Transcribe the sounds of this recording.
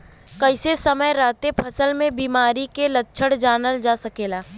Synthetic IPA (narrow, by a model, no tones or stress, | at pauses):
kɐɪsesəməjɾaːt̪epʰɐsəlmẽbiːmaːɾikelətːʃʰəɽd͡ʒaːnəld͡ʒaːsɐkeːlaː